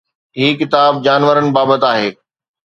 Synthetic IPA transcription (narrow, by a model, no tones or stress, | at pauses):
ɦiːkɪt̪aːb̚d͡ʑaːnʋəɾənɪ̆baːbət̪aːɦeː